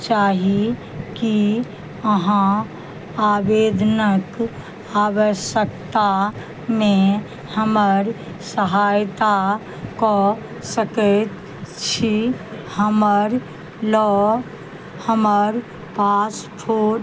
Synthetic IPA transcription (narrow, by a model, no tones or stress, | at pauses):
t͡ʃaːɦi | ki | əɦã | aːbeːd̪ʱnək | aːwəʃjəkt̪a | mẽ | həməɾ | səɦaːjt̪a | kɔ | səkəɛt̪ | t͡ʃʰihəməɾ | lɔ | həməɾ | paːspʰoːɾ